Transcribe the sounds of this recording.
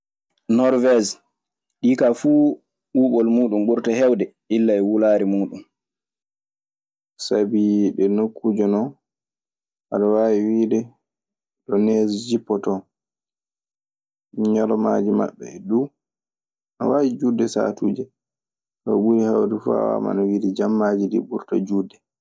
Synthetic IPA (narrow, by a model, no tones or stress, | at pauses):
nɔɾvɛz | ɗikafuː | uːɓɔlmuːɗumbuɾtahɛwdɛ | ʔilːaɛwulaːɾimuːɗum | sabiɗɛnokʰːud͡ʒɔnɔ | ʔaɗɔwaːwiwiːdɛ | ɗɔnɛzd͡ʒipːɔtɔ | ɲalɔmad͡ʒima̰ɓːɛ̰ɛɗuː | ʔa̰waːwid͡ʒudɛsa̰tuːd͡ʒɛ | tɔɓuɾihawdifa̰wa̰ma̰nawidɛd͡ʒamːad͡ʒidḭɓuɾta̰d͡ʒuːdɛ